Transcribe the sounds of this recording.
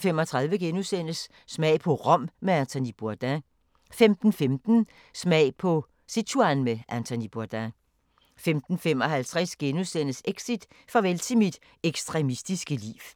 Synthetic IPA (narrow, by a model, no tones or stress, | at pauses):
femɒ̽t͡sʰʁɑ̈ðˠʋəɡ̥enusen̰əsː | mɛ̰ɪ̰pʰɒ̽ʁɒ̽m̰meænt͡sʰonib̥uɐd̥æ | femd̥n̩femd̥n̩ | smɛɪpʰɒ̽ | set͡sʰuænmeʔænt͡sʰonib̥uɐd̥æ | femd̥n̩fem̰ɒ̽ɦælt͡sʰʁɛsɡ̥enusen̰əseɡ̥sid̥ | fʁɒʋelsʰimid̥ | eɡ̥sd̥ʁɛmisd̥isɡ̥əlḭːw